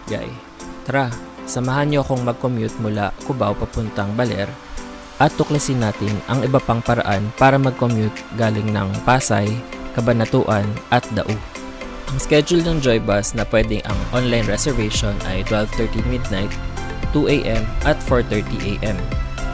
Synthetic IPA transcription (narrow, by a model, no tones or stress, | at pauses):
ɡa̰j | t̪ɾasɐmɐɦanɲoɐkoŋmɐɡ̚komjut̪̚mʊlakʊbawpɐpʊnt̪ɐŋbɐlɛɾ | ʔɐt̪̚ːʊklɐsɪnaːt̪ɪnɐŋʔɪbɐpaŋpɐɾɐ̰ʔanpaːɾɐmɐɡ̚komjut̪̚ɡaːlɪŋnɐŋpaːsɐjkɐbɐnɐt̪uːʔɐnʔɐt̪̚d̪ɐ̰ʔʊ | ʔɐŋskɛd͡ʒʊlnɐŋd͡ʒojbɐsnɐpwɛːd̪ɪŋʔɐ̰ŋʔonlajnɹɛsɛɹvɛʃonʔɐ̰jt̪wɛlvt̪ɛɹt̪imɪd̪̚najt̪ːuʔejʔɛmʔɐt̪foɹt̪ɛɹt̪iʔejʔɛm